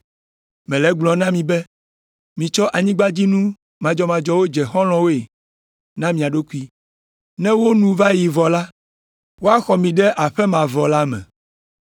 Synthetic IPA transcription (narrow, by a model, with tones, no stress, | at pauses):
mɛ̃˨lɛ˦ɡ͡blɔ̃˨nã˦mĩ˨bɛ˦ | mĩ˨t͡ʃɔ˦ʔa˨ɲĩ˦ɡ͡ba˦d͡ʑi˦nũ˦ | mã˨d͡ʒɔ˨˦mã˨d͡ʒɔ˦wo˦d͡ʒɛ˨xɔ̃˦l̃ɔ̃˦wo˦e˨ | nã˦mĩ˨a˨ɖo˦ku˦i˦ | nɛ̃˦wo˦nũ˨va˦ji˨vɔ˨la˦ | wo˦a˦xɔ˨mĩ˨ɖɛ˦ʔa˨ɸɛ˦mã˨vɔ˨la˦mɛ̰̃˨